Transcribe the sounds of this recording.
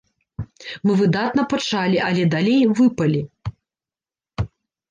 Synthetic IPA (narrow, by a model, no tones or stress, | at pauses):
mɨvɨd̪at̪nɐpɐt͡ʂalʲiʔɐlʲɛd̪alʲejvɨpɐlʲi